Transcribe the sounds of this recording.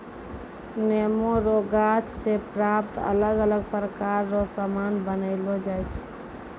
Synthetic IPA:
nemoɾoɡat͡ʃʰsepɾap̚t̪ə̰ləɡələɡ̚pɾəkaɾːosəmanbənəɪlod͡ʒajt͡ʃʰ

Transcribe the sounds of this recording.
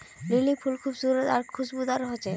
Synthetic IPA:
lilipʰulkʰubsuɾot̪aɾkʰuʃbud̪aɾɦot͡ɕʰe

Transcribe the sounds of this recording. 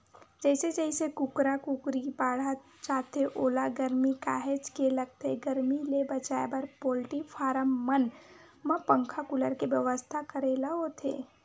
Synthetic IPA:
d͡ʒɛːɪsed͡ʒɛɪsekʊkɾakʊkɾibaːɽ̤a | t͡ʃaːt̪eʔoːlaɡəɾmikaːɦed͡ʒkelək̚t̪eɡəɾmilebət͡ʃaːebəɾpoːlʈifʰaːɾəmːən | mə̃pə̃ŋkʰakʊləɾkeʋjəʋəst̪ʰakəɾeːlaɦot̪ʰḛː

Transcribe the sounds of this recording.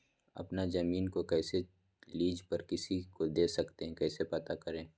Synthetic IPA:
ɐ̰pnazɐmiːnkokɛːse | liːd͡ʒpɐɾkɪsikod̪eːsɐkt̪eɦɛ̃kɛːsepɐt̪akɐɾẽː

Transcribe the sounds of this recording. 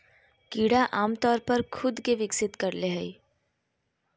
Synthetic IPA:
kiːɽaʔaːmt̪ɔːɾpɐɾkʰʊd̪keʋɪksɪt̪kɐɾleɦɛi

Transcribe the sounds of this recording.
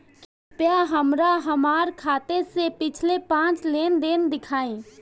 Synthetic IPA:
k | pjaɦəmɾaɦəmaːɾkʰaːt̪esepɪt͡ʃʰlepãːt͡ʃleːnd̪eːnd̪ɪkʰaːĩ

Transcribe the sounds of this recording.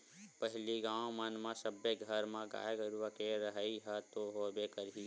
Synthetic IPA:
pəɦliɡãːõmənmãsəbːeɡʱəɾmãɡa̰ːeɡəɾʋəkeɾəɦəiɦət̪oɦobekəɾɦi

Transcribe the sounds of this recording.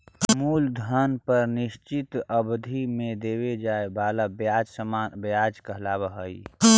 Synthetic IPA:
muːld̪ʱənpəɾnɪʃt͡ʃɪt̪əbd̪ʱimẽd̪eːwed͡ʒaːebaːlabjaːd͡ʒsəmaːnbjaːd͡ʒkəɦlaːbəɦəḭ

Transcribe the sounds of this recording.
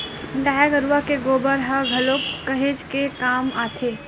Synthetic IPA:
ɡaːjaɡəɾuwakeɡoːbəɾɦaɡʱɐlokːəɦed͡ʒkekaːmaːt̪ʰeː

